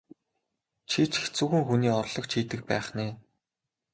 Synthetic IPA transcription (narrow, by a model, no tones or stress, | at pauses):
t͡ɕʰit͡ɕʰxt͡suːɣɘ̆ŋxuniːɔrɮɞ̆kt͡ɕʰiːt̪ɘ̆k̚pæ̰ːχneː